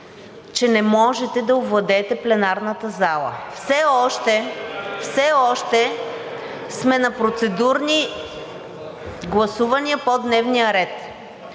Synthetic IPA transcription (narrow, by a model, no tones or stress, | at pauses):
t͡ʃɛnɛmɔʒɛt̪ɛd̪ɐovlˠɐd̪ɛt̪ɛplɛnaɾnət̪əzalˠə̰fsɛɔʃt̪ɛfsɛɔʃt̪ɛ | smɛnɐpɾot̪sɛd̪uɾni | ɡlˠɐsuvɐniəpod̪nɛvnijəɾɛt̪